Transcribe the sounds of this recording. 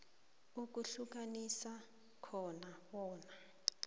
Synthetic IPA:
uk̬ʼuɬuk̬anisa | kʰɔnawɔːna

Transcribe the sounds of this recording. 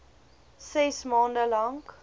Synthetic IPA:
sɛsmɔ̃ːndəlɔŋɡ

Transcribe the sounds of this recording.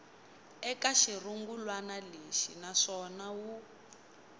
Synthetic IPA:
ɛkaʃiruŋɡulwanaleʃinaʂɔnawu

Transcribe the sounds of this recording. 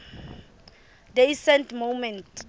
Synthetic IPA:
dejsɛ̃ntmowmɛ̃nt

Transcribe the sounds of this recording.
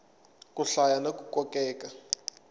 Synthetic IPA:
kʼuɬajanek̬ʼukʼɔkʼɛːkʼa

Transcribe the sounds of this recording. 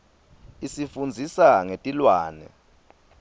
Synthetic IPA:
isifund͡zʱisaŋetʼilwaːnɛ̰

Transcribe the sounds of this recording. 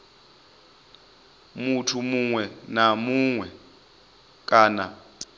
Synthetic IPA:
mutʰumuŋwɛnamuŋwɛ | k̬ʼaːna

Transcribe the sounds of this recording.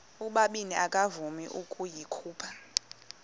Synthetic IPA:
uɓaɓiniakʼavumiʔukʼujikʰuːpʰḁ

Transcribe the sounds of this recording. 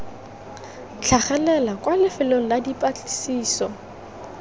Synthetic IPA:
t͡ɬʰaχɛlɛlakwalɪfɪloŋ̩ladipʼat͡ɬʼi̥siːsɔ

